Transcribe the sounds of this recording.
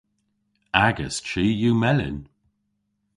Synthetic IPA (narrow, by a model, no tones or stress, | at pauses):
aɡəst͡ʃiːjuːmɛlɪ̰n